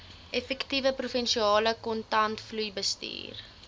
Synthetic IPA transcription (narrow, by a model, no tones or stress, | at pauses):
ʔɛfɛktivəprufɛnʃiɑːləkɔntɐntflujbəstḭːr